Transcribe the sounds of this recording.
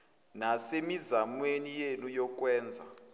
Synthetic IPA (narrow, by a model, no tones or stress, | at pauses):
nasemizamwenijenujɔk̬ʼwɛːnd͡zʱa